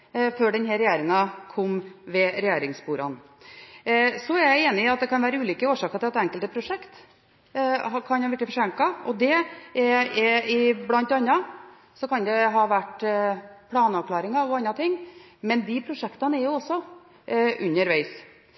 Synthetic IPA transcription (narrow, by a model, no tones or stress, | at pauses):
føːɖɛnɦæɾɛjeːɾɪŋɑkʰɔmːʋɛɾɛjeːɾɪŋsbuːɾɑ̰n | sɔæɾjæɪeːnɪɑt̪̚d̪ɛkɑnʋæːɾəʉːlʏːkəoːʂɑːkət̪ɪlɑt̪ɛŋkəlt̪əpʰɾʊʂɛkt̪ | kʰɑnɑʋɛʈːɪfɔʂɛŋkɑɔd̪ɛɛɛɪblɑnt̪ɑnːɑ | sɔkɑnd̪ɛɦɑːʋæʈ | pʰlɑːnəɑʋkʰlɑːɾɪŋɑɔɑnːɑt̪ʰɪŋː | mɛnd̪ɪpʰɾʊʂɛkt̪ɑnəɛɾjʊɔsːɔ | ʉ̰nːəɾʋæɪs